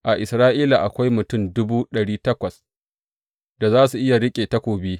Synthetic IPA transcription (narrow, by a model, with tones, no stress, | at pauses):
ʔa˨ʔɪ˨sɾaː˦ʔiː˦la˨ʔa˨kʷa˦jmʊ˨tʊ˦˨mdʊ˦buː˦ɗɐ˨ɽiː˦tɐ˦kʷɐ˨s | da˨zaː˦su˨ʔɪ˦ja˨ɽɪ˦kʲʼeː˨ta˦kʷoː˨biː˦